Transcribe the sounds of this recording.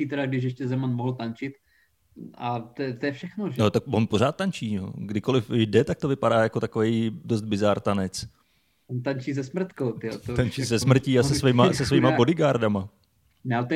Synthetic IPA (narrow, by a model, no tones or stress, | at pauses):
iːt̪ɛɾaɡdɪʃjɛʃcɛzɛmanmoɦl̩t̪ant͡ʃɪt̪ | at̪ɛt̪ojɛfʃɛxnoʒot̪ak̚vonpoɾ̝aːt̪̚ːant͡ʃiːɛo̰ɡdɪko̞lɪfdɛt̪ak̚t̪o̞vɪpadaːjako̞t̪akovejdo̞st̪̚bɪzaɾt̪anɛt͡s | ont̪ant͡ʃiːzɛsmr̩t̪kowt̪ɪot̪ot̪ant͡ʃiːsɛsmr̩ciːasɛsviːmasɛsviːmabo̞dɪɡaɾdama | nɛaɛt̪